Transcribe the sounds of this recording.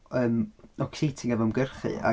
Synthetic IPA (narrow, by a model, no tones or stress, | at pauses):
əːmɔkʰsiːtʰɪŋɛvɔmɡərχɨ̰ʔa̰